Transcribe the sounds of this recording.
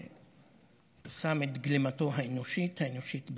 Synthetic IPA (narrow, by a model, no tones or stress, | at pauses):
sametɡlimato̞ɦaenoʃithaeno̞ʃitb